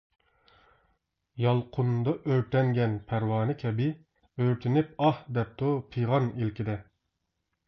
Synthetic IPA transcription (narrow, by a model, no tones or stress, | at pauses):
jɑlˠqʰʊnd̪ɑʔøɾt̪ʰɛŋɡʲɛnpʰæɾwɑːnɨkʲʰɛbɪ | øɾt̪ʰɪnɪp̚ɑhd̪ɛp̚t̪ʰupʰijʁɑnilkʲid̪ɛ